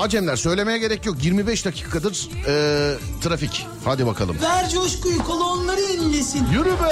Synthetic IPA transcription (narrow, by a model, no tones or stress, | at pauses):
ad͡ʒɛmlʲæɾsø̞jlʲe̞me̞jɛɟe̞ɾɛcjo̞kjiɾmibɛʃd̪acʰi̥ːkʰad̪ɯɾ̥ɛːt̪ʰɾafic | had̪ibakʰa̰lˠɯ̰mvæɾd͡ʒoʃkujukʰolˠoonlˠaɾɯenilːʲesinjyɾybɛ